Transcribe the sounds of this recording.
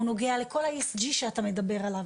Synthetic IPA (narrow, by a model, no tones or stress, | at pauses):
uno̞ɡealeko̞laesd͡ʒiʃeatamed̪abe̞ʁalav